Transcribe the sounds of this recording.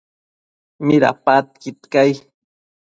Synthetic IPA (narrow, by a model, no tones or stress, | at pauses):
mɪɾa̰pat̪̚kit̪kaj